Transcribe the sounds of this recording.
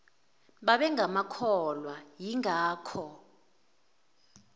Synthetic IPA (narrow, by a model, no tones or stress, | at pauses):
ɓaɓɛŋɡʱamakʰɔlwajiŋaːkʰɔ